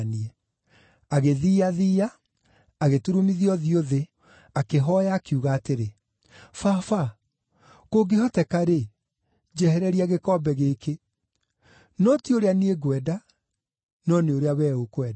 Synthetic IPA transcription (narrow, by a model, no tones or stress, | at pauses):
niɛ | aɣeðiːaðiːaː | ɣetuɾumiðiɔðioðe | akeɦɔjaːkiuɣaːteɾe | fafa | koɡehɔtɛkaɾe | d͡ʑɛhɛɾɛɾiaɣekɔbɛɣeke | nɔtioɾeanieɡwɛda | nɔneoɾeawɛokwɛda